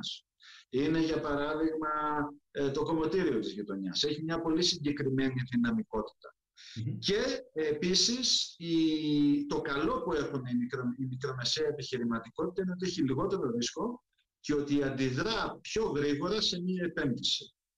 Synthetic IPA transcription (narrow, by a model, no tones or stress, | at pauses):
s | ine̞ʝɐpɐɾɐðiɣmɐ | t̪o̞ko̞mo̞t̪iɾio̞t̪izʝit̪o̞ɲɐse̞çimɲɐpo̞lisiɲɟe̞kɾime̞niðinɐmiko̞t̪i̥t̪ɐ | ce̞episisi | t̪o̞kɐlo̞pue̞xuneimikɾoimikɾo̞me̞seɐepiçiɾimɐt̪iko̞t̪i̥t̪ɐineot̪ieçiliɣo̞t̪e̞ɾo̞ðisko̞ | ceo̞t̪iɐnd̪iðɾɐpço̞ɣɾiɣo̞ɾɐse̞miɐe̞pe̞nðisi̥